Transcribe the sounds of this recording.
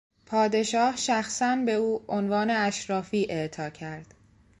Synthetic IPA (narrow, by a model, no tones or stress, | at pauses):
pʰɒːd̪e̞ʃɒːhʃæxsænbe̞uːonvɒːne̞æʃɾɒːfiːʔe̞ʔt̪ʰɒːcʰæɾd̪̥